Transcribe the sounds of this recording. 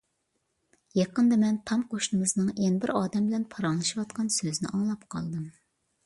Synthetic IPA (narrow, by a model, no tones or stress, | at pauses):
jɑqənd̪ɑmɛnt̪ʰɑmqʰoʃnɨmɨznɨŋenbɪɾɑːd̪ɛmbɪlɛnpʰɑɾɑŋlˠɨʃiwɑt̪qʰɑnsøznɪ̰ʔɑŋlˠɑpqʰɑ̰lˠd̪ɨm